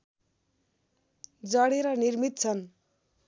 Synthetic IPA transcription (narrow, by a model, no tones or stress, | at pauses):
d͡zʌɽeɾʌnirmit̪̚t͡sʰʌn